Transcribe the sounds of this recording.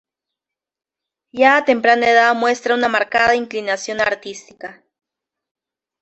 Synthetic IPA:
jaːt̪e̞mpɾaneðamwe̞st̪ɾaunamaɾkaðaiŋklinasjo̞naɾt̪ist̪ika

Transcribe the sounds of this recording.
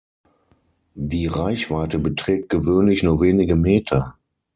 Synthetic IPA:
diːʁaɪçv̥aɪtəbətʁ̥ɛːk̚t̚ɡ̥əvøːnlɪçnuːɐveːnɪɡəmeːtʰɐ

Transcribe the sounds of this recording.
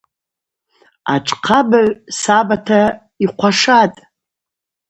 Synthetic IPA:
a̰ʈ͡ʂʼqʰabaʕsabatʰa | iqʷʰaʂatʼ

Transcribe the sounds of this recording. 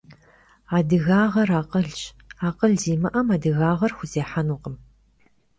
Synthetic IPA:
aːdɨɣaːʁɐraːqəɮt͡ʃ | aːqəɮziːmɨʔɐmaːdɨɣaːʁɐrxʷʊzeːħanuːqʼəm

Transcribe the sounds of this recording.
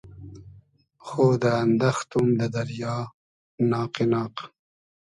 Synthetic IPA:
xoːd̪əːnd̪axt̪umd̪əd̪ɐɾjɑː | nɑːqenɑːq

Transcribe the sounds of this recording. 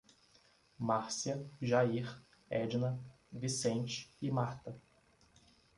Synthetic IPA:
maɾsiɐʒaiɾ | ɛd͡ʒnɐ | visẽnt͡ʃɪ̥ɪmaɾt̪ɐ

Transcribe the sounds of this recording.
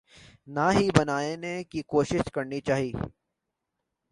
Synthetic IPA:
naɦibɐnaːenekikoːʃɪʃkɐɾnit͡ʃaːɦiː

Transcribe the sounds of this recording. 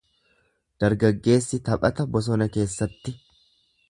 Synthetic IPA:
d̪̥ɐɾɡɐɡːe̞ːsːɪt̪ɐpʼɐt̪ɐbɔs̬ɔnɐke̞ːsːɐt̪ːɪ

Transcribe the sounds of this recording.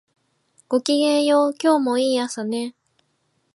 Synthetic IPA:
ɡ̥o̞kʲiɡẽɰ̃joːkʲo̞ːmo̞iːasane

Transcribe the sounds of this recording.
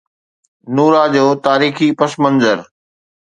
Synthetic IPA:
nuːɾad͡ʑoːt̪aːɾiːxipɐsmə̃nzəɾ

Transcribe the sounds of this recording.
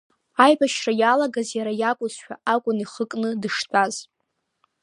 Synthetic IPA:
ajbaʃrajalaɡazjaɾajakʷʼʊzʃᶣa̰ʔakʷʼʊniχəkʼnɨdɨʂtʷʰʼaz

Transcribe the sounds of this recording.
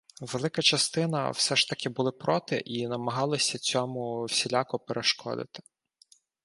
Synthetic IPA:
ʋe̞lˠɪkɐt͡ʃɐst̪ɪnɐ̰wsɛʃt̪ɐkʲɪbʊlˠɪpɾɔt̪ɪʔinɐmɐɦɑlˠɐsʲɐt͡sʲɔmʊwsʲilʲakɔpeɾʔeʃkɔ̰d̪ɪ̰t̪ɪ̥

